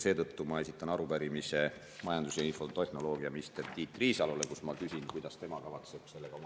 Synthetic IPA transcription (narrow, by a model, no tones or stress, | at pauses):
se̞ːt̪ɤt̪ːumɑe̞sit̪ːˑɑnɑɾupæɾimise̞ | mɑjɑnd̪usɑinfo̞t̪ehno̞lo̞ːɡiɑminist̪e̞rt̪iːt̪ːˑriːsɑlule̞kusmɑkysʲinkujd̪ɑst̪e̞mɑkɑvɑt̪se̞b̥se̞lːeɡɑo